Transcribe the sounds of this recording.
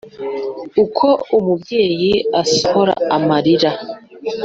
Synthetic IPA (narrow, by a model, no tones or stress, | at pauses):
ukʰo̞umubɟe̞ːjiasoho̞ɾa̰amaɾiɾa